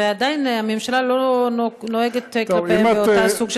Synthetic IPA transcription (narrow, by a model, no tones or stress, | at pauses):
eadainamemʃalalonoeɡet̪k̪laemeot̪asuɡʃe